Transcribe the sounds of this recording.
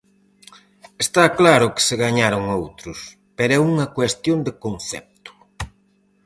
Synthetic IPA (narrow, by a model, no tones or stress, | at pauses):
est̪aklaɾʊkɪ̥sɪɣaɲaɾʊŋowt̪ɾʊs | peɾɛuŋɐkwest̪jond̪ekonθɛ̰p̚t̪ʊ̥